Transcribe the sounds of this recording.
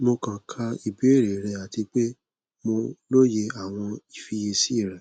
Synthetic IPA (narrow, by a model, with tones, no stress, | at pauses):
mo˧kã˨kʰa˧i˨bi˨˦e˦˨ɾe˨ɾɛ˧a˨ti˧k͡pe˦ | mo˧lo˦je˧a˨w̃ɔ̃˧i˨fi˧je˧si˦˨ɾɛ˨˦